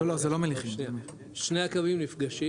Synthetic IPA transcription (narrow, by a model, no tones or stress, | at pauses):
olozelo̞meliχine | ʃnejakavimnifɡaʃi